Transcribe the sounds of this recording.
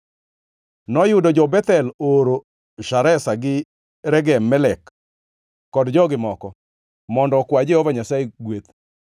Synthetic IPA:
nɔjʊdɔd͡ʒɔbɛt̪ɛloɾo | ʃaɾɛsaɡɪ | ɾɛɡɛmːɛlɛkː | ɔdd͡ʒɔɡɪmɔkɔ | mɔndɔkwad͡ʒeɔvaɲasaeɡwet̪

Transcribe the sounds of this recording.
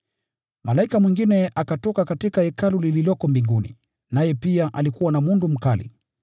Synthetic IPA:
malaikamwiŋɡinɛʔakatɔkakatikaɛkalulililɔkɔmbiŋɡunḭ | najɛpiaʔalikuwanamundum̩kalḭ

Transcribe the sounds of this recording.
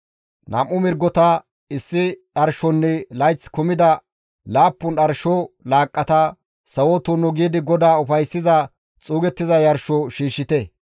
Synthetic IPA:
nʔɐ̰mʔʊmɪɾɡɔt̪ɐ | ɪsːɪɗɐɾʃɔnːɛlɐjt͡sːkʊmɪd̪ɐ | laːpːʊnɗɐɾʃɔlaːkʼːɐt̪ɐ | sɐwɔt̪unɔɡiːd̪ɪɡɔd̪aːʊfɐjsːɪzɐ | t͡sʼuːɡɛt̪ːɪzɐjɐɾʃɔʃiːʃːɪt̪ɛ

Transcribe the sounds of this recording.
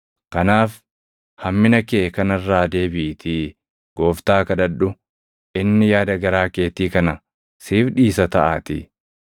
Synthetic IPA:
kɐnaːf | hɐmːɪnɐkeːkɐnɐrːaːd̪e̞ːbɪʔt̪ʰɪ | ɡ̥o̞ːft̪aːkɐd̪ɐᶑʊ | ʔɪnːɪjaːd̪ɐɡɐɾaːke̞ːt̪iːkɐnɐ | siːfᶑiːsɐt̪ɐʔaːt̪ɪ̰

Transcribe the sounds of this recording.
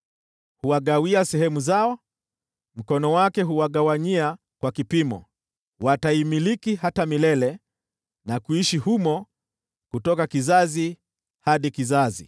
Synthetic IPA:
huwaɠawiasɛhɛmuzaɔ | m̩kɔnɔwakɛɦuwaɠawaɲia | kwakipimɔ̰ | wataimilikihatamilɛlɛ | nakuiʃihumɔ | kutɔkakizazi | haɗikizazḭ

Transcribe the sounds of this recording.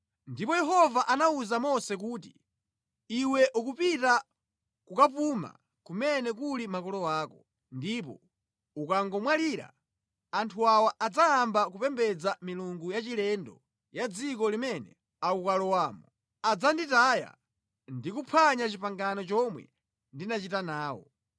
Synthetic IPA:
ndipɔjɛɦɔvaʔanauzamɔsɛk̬uːt̬i̥ | iwɛʔukupita | kukapuma̰ | kumɛnɛkulimakɔlɔwaːkɔ | ndipɔ̰ | ukaŋɡɔmwaliɾa̰ | antʰuawaʔad͡zaambak̬upɛmbɛd͡zamiluŋɡujat͡ʃilɛndɔ̰ | jad͡zikɔlimɛnɛ̰ | aukalɔwaːmɔ | ad͡zanditaja̰ | ndikupʰaɲat͡ʃipaŋɡanɔt͡ʃɔmwɛ̰ | ndinat͡ʃitanaːwɔ̰

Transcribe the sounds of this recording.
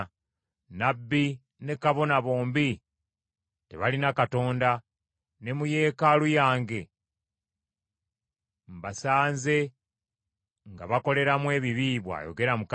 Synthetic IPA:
nabːi | ne̞kaβo̞naβo̞ːmbi | teβalinakato̞ːnda | ne̞muje̞ːkalujaːŋɡe̞ | mbasaːnze̞ | ŋɡa̰βako̞le̞ɾamwe̞ːβiβiβwa̰ːjo̰ɡe̞ɾamuk

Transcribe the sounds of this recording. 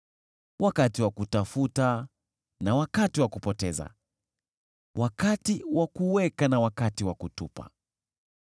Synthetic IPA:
wakatiwakutafuta | nawakatiwakupɔtɛza̰ | wʔakatiwakuwɛkanawakatiwakutupa̰

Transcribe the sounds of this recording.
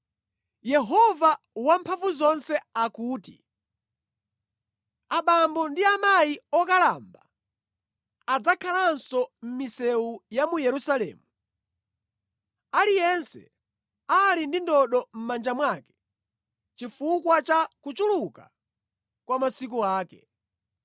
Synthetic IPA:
jɛɦɔva | wampʰaɱvuzɔnsɛakuːtḭ | aɓambɔndiamajiɔkala̰mba | ad͡zakʰalansɔm̩misɛujamujɛɾusalɛ̰ːmu | alijɛnsɛ̰ | alindindɔɗɔm̩mand͡ʒamwakɛ̥ | t͡ʃifukwat͡ʃakut͡ʃuluka̰ | kwamasik̬uaːkɛ̰

